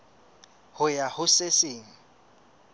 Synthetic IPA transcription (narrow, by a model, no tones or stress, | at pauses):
hʊjahʊsesɪːŋ̩